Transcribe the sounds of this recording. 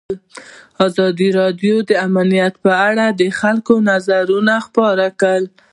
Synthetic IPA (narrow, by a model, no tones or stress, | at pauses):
lɑzɑd̪iɾɑdjod̪əamanijat̪pəaɽad̪əxalkonazaɾunaxpɑɾakəl